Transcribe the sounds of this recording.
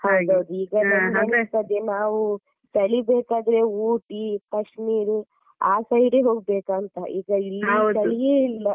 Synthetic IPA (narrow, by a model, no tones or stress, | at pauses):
hɐwd̪ɐwd̪uiːɡɐnɐɐnɐt̪ɐd̪enaːʋu | t͡ʃ̪ɐɭibeːkaːd̪ɾeuːʈikɐʂmiːɾu | aːsɐjɖeɦoːɡ̚beːkɐnt̪ɐiːɡɐilːiwd̪ɐɭijeːilːɐ